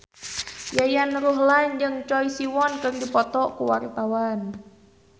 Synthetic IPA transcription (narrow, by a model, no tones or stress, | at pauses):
jajanruɦlaɲd͡ʒɨŋt͡ʃɔisiwɔnkɨŋdipɔt̪ɔkuwa̰rt̪awan